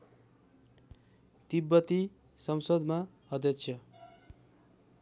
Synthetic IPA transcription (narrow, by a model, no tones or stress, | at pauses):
t̪ibːʌt̪i | sʌmsʌd̪ma | ʌd̪jʌkt͡sʰjʌ